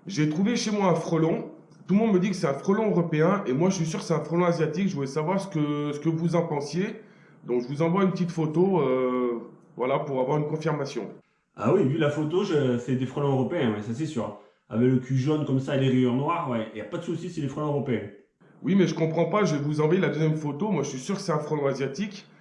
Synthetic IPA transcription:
ʒet̪χuveʃemwaɛ̃fχɔlɔ̃ | t̪ulmɔ̃d̪məd̪ikə̥sɛt̪ɛ̃fχɔlɔ̃øʁɔpeɛ̃ʔemwaʒəʃɥis̬yʁkə̥sɛt̪ɛ̃fχɔlɔ̃azjat̪ikʒəvulɛsavwaʁsə̥kəsə̥kəvuzɑ̃pɑ̃sje | d̪ɔ̃kʒəvuzɑ̃vwaynpət̪it̪fot̪oø | vwalapuʁavwaʁynkɔ̃fiʁmasjɔ̰̃ | a̰wivylafot̪oʒøsɛd̪efχɔlɔ̃øʁɔpeɛ̃wɛsas̬ɛsy̰ʁ | a̰vɛkləkʲʰyʒonkɔmsaeleʁiœʁnwaʁwɛejapad̪əsusisɛd̪efχɔlɔ̃øʁɔpeɛ̃ | wʔimɛʒəkɔ̃pχɑ̃paʒəɛvuzɑ̃vwajelad̪øzjɛmfot̪omwaʒəsɥisyʁkə̥sɛt̪ɛ̃fχɔlɔ̃azjat̪ik

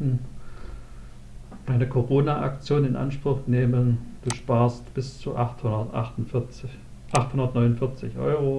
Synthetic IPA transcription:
n̩ | d̥aɪnəkʰoʁoːnaʔa̰k̚t͡sjoːnɪnʔa̰nʃpʁ̥ʊxneːmənd̥uːʃpaːɐstb̥ɪst͡suʔaχthʊdɐtʔaχtn | ʔaχthʊndɐtnɔʏnʊnfɪɐt͡sɪçʔɔ̰ʏʁ̞o

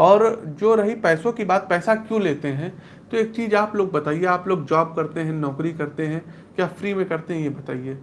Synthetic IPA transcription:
ɔːɾd͡ʒoːɾɐɦipɛːsõkibaːt̪̚pɛːsakjũleːt̪eɦɛ̃ | t̪oeːk̚t͡ʃiːzaːploːɡ̚bɐt̪aːieaːploːɡd͡ʒaːb̚kɐɾt̪eɦɛ̃nɔːkɾikɐɾt̪eɦɛ̃ | kjaːfɾiːmẽkɐɾt̪eɦɛ̃jebɐt̪a̰ːieː

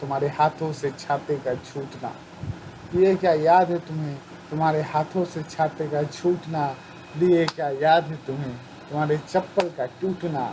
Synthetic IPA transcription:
t̪ʊm̤ɦaːɾehaːt̪ʰõset͡ʃʰaːt̪ekat͡ʃʰuːʈna̰ː | liekjaːjaːd̪ɦɛt̪ʊmɦẽ | t̪ʊmaːɾehaːt̪ʰõset͡ʃʰaːt̪ekat͡ʃʰuːʈna | liekjajaːd̪ɦɛt̪ʊmɦẽ | t̪ʊmɦaːɾet͡ʃɐpːəlkaʈuːʈna̰ː

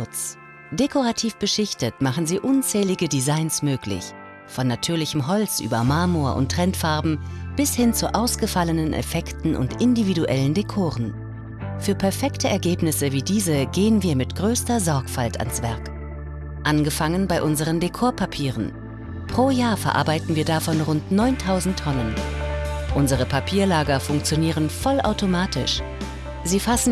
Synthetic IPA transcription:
ʊt͡s | d̥ekʰoʁatʰiːfb̥əʃɪçtətmaχn̩ziːʔʊnt͡sɛːlɪɡədizaɪnsmøːklɪ̰ç | fɔnːatʰyːɐlɪçəmɦɔlt͡sʔy̰ːbɐmaːmoɐʔʊ̰ntːʁ̥ɛntfaɐbm̩b̥ɪshɪnt͡suʔaʊsɡ̥əfalənənʔɛ̰fɛktn̩ʔʊ̰ntʔɪndividuʔɛləndekʰoːʁən | fyːɐpʰɛɐfɛktʰəʔɛɐɡeːpnɪsəviːdiːzəɡeːənviːɐmɪtɡ̥ʁøːstɐzɔɐkfaltʰa̰nsv̥ɛɐk | ʔanɡəfaŋənbaɪʔʊnzəʁ̞əndekʰoːɐpʰapʰiːʁ̞ən | pʁ̥oːjaːɐfɛɐʔa̰ɐbaɪtn̩viːɐdafɔnʁʊntnɔʏntʰaʊzn̩tʰːɔnən | ʔʊnzəʁ̞əpʰapʰiːɐlaːɡɐfʊŋk̚t͡sjoniːʁ̞ənfɔlʔa̰ʊtʰomaːtʰɪ̰ʃ | ziːfasn̩

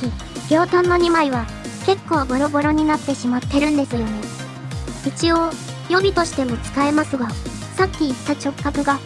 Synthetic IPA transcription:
i | ɡ̥ʲo̞ːt̪ãnːo̞ɲ̟imaiβ̞a | ke̞kːo̞ːɡo̞ɾo̞bo̞ɾo̞ɲ̟inat̪ːe̞ɕimat̪ːe̞ɾɯ̟̃nd̪e̞sɨjo̞ne | it͡ɕio̞ː | jo̞bʲit̪o̞ɕi̥t̪e̞mo̞t͡sɨ̥kae̞masɨɡa | sakʲːiːt̪ːat͡ɕo̞kkːakɯ̟ɡa

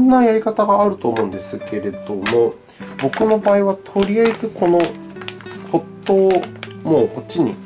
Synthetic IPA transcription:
nːajaɾʲikat̪aɡaːɾɯ̟t̪o̞ːmo̞ɯ̃nd̪e̞sɨkʰe̞ɾe̞d̪o̞mo̞ | bo̞kɯ̟no̞baːiβat̪ʰo̞ɾʲijaizɨkʰo̞no̞ | ho̞t̪ːo̞ːmoːkot͡ɕːiɲ̟ḭ

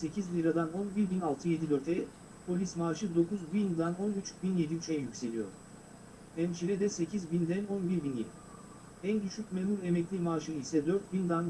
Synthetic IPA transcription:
se̞cʰizlʲiɾad̪ano̞nbiɾbinalˠt̪ʰɯje̞d̪id̪ø̞ɾt̪ʰɛ | pʰo̞lʲismaːʃɯd̪o̞kʰuzbind̪ano̞nyt͡ʃʰy̥binje̞d̪iyt͡ʃʰɛjjycʲse̞lʲijo̰ɾ | ɛmt͡ʃʰiɾɛd̪ɛse̞cʰizbind̪æno̞nbiɾbinjed̪ʲi | ænɟyʃycʲmeːmuɾemɛclʲimaːʃɯisɛd̪ø̞ɾt̪̚bind̪an

